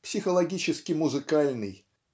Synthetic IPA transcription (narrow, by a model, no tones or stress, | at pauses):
psʲɪxəlˠɐɡʲit͡ɕɪskʲɪmʊzɨkalʲnɨj